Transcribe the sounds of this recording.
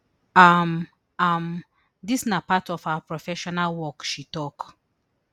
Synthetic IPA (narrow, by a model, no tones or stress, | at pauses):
am | am | disnapatɔfhapɹɔfɛʃɔnalwɔkʃitɔk